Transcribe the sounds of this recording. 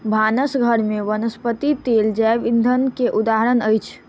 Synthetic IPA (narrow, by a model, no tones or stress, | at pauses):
bʱanəsɡʱəɾmeʋənəspət̪it̪eld͡ʒɛʋind̪ʱənkeʔud̪aɦəɾənəjt͡ʃʰ